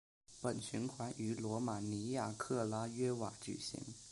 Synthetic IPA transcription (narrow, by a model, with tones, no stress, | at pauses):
pə˨˩nɕy˧˥nkʰwa˧˥nʔy˧˥lwɔ˧˥ma˨˩ni˧˥ja˥˩kʰɤ˥˩la˥ɥɛ˥wa˨˩t͡ɕy̰˨˩ɕḭ˧˥ŋ